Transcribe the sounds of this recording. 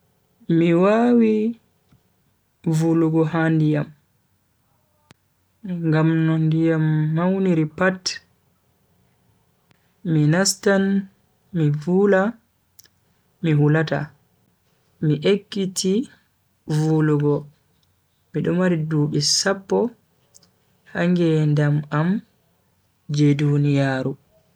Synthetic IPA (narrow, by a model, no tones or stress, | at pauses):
miwawi | vuluɡɔhandijam | ŋɡamnɔndijamːawniɾipat | minastan | mivula | mihulata̰ | miʔekːiti | vuluɡɔ | miɗɔmaɾiduːɓɛsapːɔ | haŋɡɛndamam | d͡ʒɛdunijaːɾu